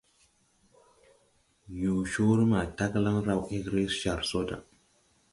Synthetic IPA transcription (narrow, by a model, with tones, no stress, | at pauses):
ju˨ʃo˦ɾi˦ma˨ta˦kla˦ŋɾa˦wʔi˦ɡɾe˦sʃa˨ɾso˦da̰˨